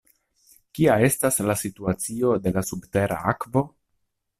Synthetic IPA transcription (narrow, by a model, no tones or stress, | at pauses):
kiae̞staslasituat͡sio̞de̞lasubte̞ɾʔa̰akvo̞